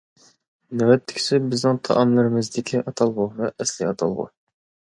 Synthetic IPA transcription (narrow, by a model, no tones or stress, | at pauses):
nɛwɛt̪ʰːɪ̥kʲʰɪ̥sɪbɪznɪŋt̪ʰɑ̰ʔɑmlˠɨɾɪmɨzd̪ɪkʲʰiʔɑt̪ʰɑlˠʁuvɛʔɛslɪɑt̪ʰɑ̰lˠʁṵ